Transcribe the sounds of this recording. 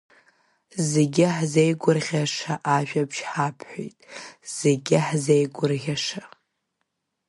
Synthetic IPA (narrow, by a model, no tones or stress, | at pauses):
zeɡʲɪħzejɡʷʊrʁʲaʂaʔaʒᶣapʰʃħapʰħʷᶣo̰jtʼz̥eɡʲɪħzejɡʷʊrʁʲaʂa